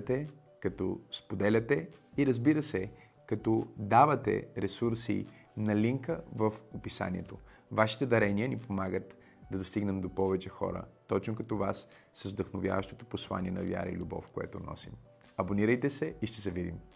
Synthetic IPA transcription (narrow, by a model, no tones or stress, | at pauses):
t̪ɛ | kɐt̪ɔ̰spod̪ɛlʲɐt̪ɛiɾəzbiɾəsɛ | kɐt̪ɔd̪avɐt̪ɛ̰ɾɛsuɾsḭ | nɐliŋkəvəfopisa̰nʲiɛt̪ovaʃi̥t̪ɛd̪ɐɾɛniənipomaɡət̪ | d̪ɐd̪ost̪iɡnɛmd̪opɔvɛt͡ʃɛxɔ̰ɾə̰t̪ɔt͡ʃnokɐt̪ɔvasː | əzvd̪əxnovja̰vəʃt̪ot̪oposlˠa̰nʲiɛnɐvʲja̰ɾɐ̰ḭlʲubɔ̰fkoɛ̰t̪onɔ̰sim | ɐboniɾəjt̪ɛsɛiʃt̪ɛzɛvid̪ḭm